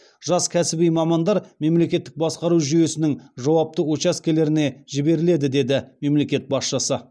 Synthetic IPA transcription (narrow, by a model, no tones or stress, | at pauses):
ʒɑskʲʰæsɪbijmɑmɑnd̪ɑɾme̞mle̞kʲe̞t̪ːɪk̚bɑsqɑɾuʒʏje̞sɪnɪŋʒɑwɑp̚t̪əwot͡ʃɑskʲe̞le̞ɾɪne̞ʒɪbe̞ɾɪle̞d̪ɪd̪e̞d̪ɪme̞mle̞kʲe̞t̪̚bɑsʃəsə